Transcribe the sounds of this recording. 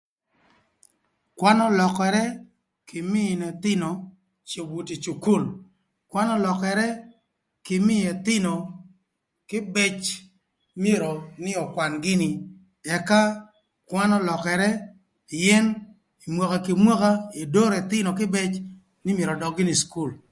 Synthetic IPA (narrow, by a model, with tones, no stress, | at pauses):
kwa˦nɔ˦lɔ˨kɛ˨ɾɛ˦ | kʰɪ˨mɪ˦˨nɛ˨t̪ɪ˦nɔ˨ | t͡ʃo˨bu˨ti˨t͡ʃu˨ku˦˨l | kwa˦nɔ˦lɔ˨kɛ˨ɾɛ˦ | kɪ˨mɪ˦ɛ˨t̪ɪ˦nɔ˨ | kɪ˦bɛ˦t͡ʃ | mi˦e˦ɾo˨nɪ˦ɔ˨kwa˨nɡɪ˦nɪ˨ | ɛ˨ka˦ | kwa˦nɔ˦lɔ˨kɛ˨ɾɛ˦˨ | jɛ˦n | i˨mwo˨ka˨ki˨mwo˦ka˦e˨do˦ɾɛ˨t̪ɪ˦nɔ˨kɪ˦bɛ˦t͡ʃ | nɪ˦mje˨ɾɔ˨dɔ˨ɡɪ˦nɪ˨sku˦˨l